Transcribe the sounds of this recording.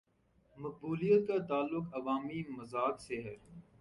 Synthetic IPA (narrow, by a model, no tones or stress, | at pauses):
mɐk̚buːlijət̪̚kat̪aːlːʊkɐʋaːmimɐzaːkseɦɛ